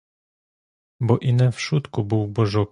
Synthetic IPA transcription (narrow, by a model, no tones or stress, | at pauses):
bɔʔinɛfʂut̪kubɘwbɔʐɔ